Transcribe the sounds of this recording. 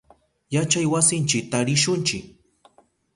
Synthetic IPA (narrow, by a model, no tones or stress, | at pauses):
jat͡ʃajwasɪnt͡ʃɪk̚t̪aɾɪʃʊnt͡ʃɪk̚